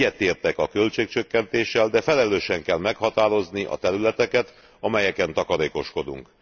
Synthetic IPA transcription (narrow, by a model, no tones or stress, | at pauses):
ɛt̪eːrt̪ɛkɒkølt͡ʃeːk̚t͡ʃøkːɛnt̪eːʃːɛld̪ɛfɛlɛløːʃɛŋkɛlmɛkhɒt̪aːɾo̞zniʔɒ̰t̪ɛɾylɛt̪ɛkɛt̪ | ɒmɛjɛkɛnt̪ɒkɒɾeːko̞ʃko̞d̪ṵŋk